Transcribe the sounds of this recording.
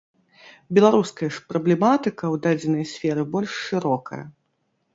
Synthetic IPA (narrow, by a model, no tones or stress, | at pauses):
bʲɛlˠaɾuskɐjɐʂpɾɐblʲɛmat̪ɨkɐwd̪ad͡zʲɛnɐjɐsʲfʲɛɾɨbɔlʲʂːɨɾɔkɐ̰jɐ̰